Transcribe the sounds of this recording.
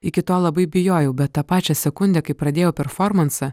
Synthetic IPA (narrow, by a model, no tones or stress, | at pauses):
ɪkʲɪt̪oːlˠɐbɐɪbʲɪjoːjɛʊbʲɛt̪tːɐpɑːt͡ʃʲɛsʲɛkʊnʲd̪ʲɛkɐɪpɾɐd̪ʲeːjoːpʲɛɾfɔɾmɐnsɐ